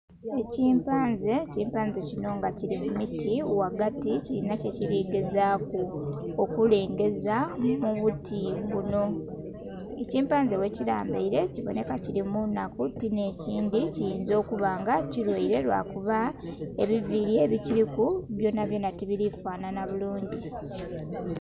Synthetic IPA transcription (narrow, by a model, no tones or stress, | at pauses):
e̞ciːmpaːnzeciːmpaːnzecino̞ŋɡaciɾimumitʰiuwaɡaticiɾinaceciɾiːɡe̞zaːkookule̞ːŋɡe̞zamuβutʰiβuno̞ | eciːmpaːnzewe̞ciɾa̰ːmbḛiɾe̞ciβo̞̰ne̞kaciɾimunːakutine̞ːciːndicijiːnzo̞ːkuβaːŋɡaciɾweiɾe̞lwa̰kuβae̞βiviɾie̞ːβiciɾikuβjo̞ːnaβjo̞ːnatiβiɾifaːnanaβuluːɲɟi